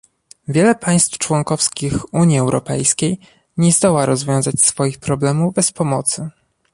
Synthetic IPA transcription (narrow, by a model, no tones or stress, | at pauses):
vʲjɛlɛpʰaj̃st̪ft͡ʂwɔŋkɔfskʲixuɲiɛwɾʔɔ̰pɛjskʲej | ɲɛzd̪ɔwaɾɔzvʲjɔ̃w̃zat͡ɕsfɔjixpɾɔblɛmuvbɛspɔmɔt̪sɘ